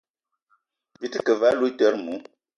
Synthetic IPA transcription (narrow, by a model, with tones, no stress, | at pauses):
vi˦tə˦kə˨va˦lu˦tə˦ɾmu˨˦